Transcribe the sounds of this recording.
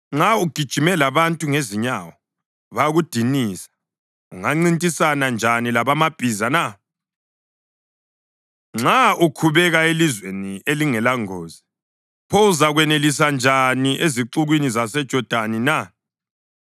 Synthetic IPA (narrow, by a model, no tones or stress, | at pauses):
ŋ͡ǁauɡ̥ʱid̥ʒ̥ʱimɛlaβantʼuŋeziɲawɔ | βaɣud̥ʱiniːsḁ | ṵŋaŋ͡ǀintʼisanand͡ʒʱanilaβamab̥ʱizana | ŋ͡ǁaukʰuβɛɣaelizwenieliŋɛlaŋoːzi | pʰouzaɣwɛnelisand͡ʒʱaniʔeziǃuɣwinizasɛd̥ʒ̥ʱɔd̥ʱanina